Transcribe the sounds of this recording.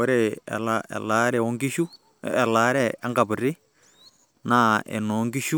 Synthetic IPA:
ɔ˦ɾɛ˨ɛ̰˨laɛ̰˨la˦ɾɛ˨o˦ŋɡi˦ʃu˦ | ɛ˨la˦ɾɛ˦ɛ˦ŋɡa˨bu˨ɾi˦ | na˦ɛ̰˨nɔ˨˦ŋɡi˦ʃu˦

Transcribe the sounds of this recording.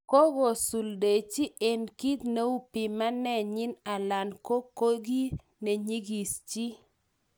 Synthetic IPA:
ko˦ɡo˨su˨lde˨t͡ʃi˦ʔe˨nki˦t̪ne˦u˦pi˨ma˦nɛ˦ɲɪ˦na˨la˨nko˦kːo˦ɡi˦ | ne˨ɲi˦ɡi˨st͡ʃi˦

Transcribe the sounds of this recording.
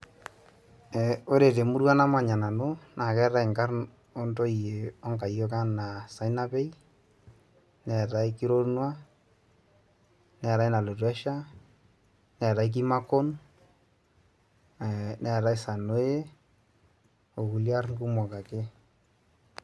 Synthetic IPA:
ɛ˨o˦ɾe˨te˨mu˦ɾwa˦na˦ma˨ɲa˨na˨no˦na˨kɛ˦ɾa˦i˨ŋka˦rn | o˦nto˦i˨je˨ɔ˦ŋka˨jo˦ka˦na˨sa˨i˦na˦pe˦i˦ | nɛ˨ta˦i˦ki˦ɾo˦ɾnwa˦ | nɛ˨ɾa˦i˦na˨lo˨twɛ˦ʃa˦ | nɛ˨ɾa˦i˦k̬i˦ma˦ko˦n | nɛ˨ɾa˦i˦sa˨no˦e˦ | o˨ku˨lja˦ɾŋku˦mɔ˨ka˨ke˦

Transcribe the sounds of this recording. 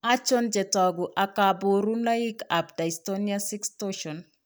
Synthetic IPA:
a˦t͡ʃo˦nd͡ʒe˨tɔ˨ɡu˨ʔa˨ka˨bo˨ɾu˦na˦i˦ka˨pda˨istoniasi˦kstoʃɔ˨n

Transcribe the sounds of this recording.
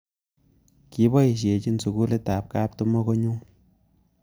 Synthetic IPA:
ki˦bɔ˦i˨ʃ̬je˨t͡ʃi˦nsu˨ɡu˦le˦ta˨p̚ka˦p̚tu˦mɔ˦ko˦ɲu˦

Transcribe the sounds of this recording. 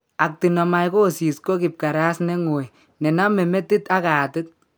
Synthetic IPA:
a˨k̚ti˨nɔ˨ma˨jko˦˨si˨sko˦kɪ˨p̚ka˨ɾa˦snɛ˦ŋo˨j | nɛ˨na˦me˨mɛ˦ti˦ta˦ka˨tɪ˦t̚

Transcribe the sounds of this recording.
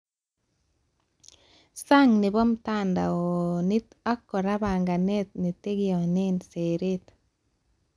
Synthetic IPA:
sa˦ŋnɪ˨bɔ˦mta˦nda̰˨ɔni˦ta˦kːɔ˨ɾa˦ba˨ŋɡa˨ne˦t̪̚ni˨te˦ɡjɔ˨ne˦nse˨ɾe˦t̪

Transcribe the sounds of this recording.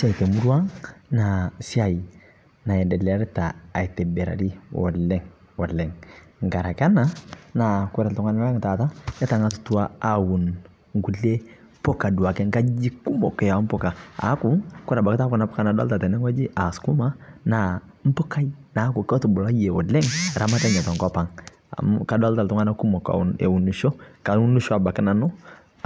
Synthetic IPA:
sa˨i˨te˨mu˦ɾu˦a˦ŋna˨si˦a˨i˨ | na˨jɛ˨ndɛ˨lɛ˨a˦ɾtaː˨i˨te˨be˨ɾa̰˨ɾi˦wɔ̰˨lːɛ˦ŋwɔ˨lɛ˨ŋŋ˨ɡa˨ɾa˨ka˦na˦na˨ku˦ɾa˨ltɔ˦ŋa˦n˦a˦ŋ˨ta˨ta˦ja˦ta˨ŋa˦tu̥˨tu˦wa˦a˦wu˨n | ŋɡu˨lːe˦ | pɔ˦ka˨du˨a˨kɛ˦ŋka˦d͡ʒi˦ku˦mɔ˨kɛ˨ja˨˦m˦pɔ˦˨ka˨a̰˨˦ku˦kʊ˦ɾa˨ba˨kɪ˦ta˦kʊ˨na˨˦pɔ̥˦ka˦na˨dɔ̰˦lta˨tɛ˨nɛ˦ŋwa˦d͡ʒi˦ʔa˨sku˦ma˦na˨m̩˦pʊ˦ka˦i˦na˨˦ku˨kɔ˦tu˨bʊ˨la˦je˨ɔ˨lɛ˦ŋɾʔa˨ma˦ta˦ɲɔ˨tɔ˨ŋkɔ˦pa˨ŋ̰ | ka˨dɔ˦lta˨ltʊ˦ŋa˦na˦ku˦mɔ˨ka̰˨u˨nḛ˨wu˨nu˨ʃo˦ka˨u˦nu˦ʃɔ˦a˨ba˨kɪ˦na˨nʊ˦

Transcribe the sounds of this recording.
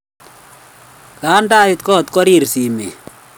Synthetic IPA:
kaː˨˦nda˦ɪ˨t̪kɔ˦˨t̪kɔ˦ɾi˨ɾsi˨mḛ˨

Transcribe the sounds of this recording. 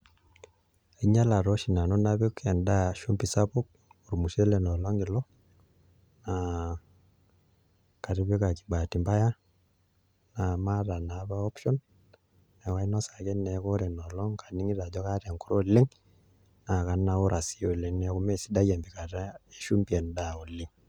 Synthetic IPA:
e˨ɲa˦la˨ɾo˦ʃi˨na˨nɔ˦na˦βe˦kɛ˨nda˦ʃu˦mpi˨sa˦po˦k̚ | u˨ɾu˨mu˨ʃe˦lɛ˨nɔ˨lɔ˦ŋe˨lɔ˦ | na˨ | ka˨ɾi˦βe˦ka˨ki̥˨ba˨ti˨mba˦ja˦ | na˨ma˦ɾa˨na˨˦ba˦ɔ˦pʃɔ˦nː | ɛ˨ka˦i˦nɔ˦sa˨kɛ˦nɛ˨ko˦ɾɛ˨nɔ˨lɔ˦ŋkḁ˨ni˦ŋi˦ɾa˨d͡ʒɔ˦ka˦ɾɛ˨ŋku˦ɾo˦li˦ŋ | na˨ka˨na˦o˦ɾa˨si˦o˨le˨nɛ˦ku˦me˦˨si˦da˦jɛ˨mbi˨ka˨ɾa˦e˦ʃu˦mbi˨ɛ˨nda˦˨o˨lɪ˦ŋ

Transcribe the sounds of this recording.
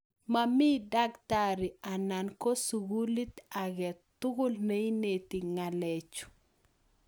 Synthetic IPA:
mami˦da˦kta˦ɾi˨a˨na˨nko˦su˨ɡu˦li˦t̪a˨ɡɛ˨t̪ʊ˦ɡʊ˦lne˦i˦ne˨t̪i˨ŋa˨lɛ˨t͡ʃʊ̥˨

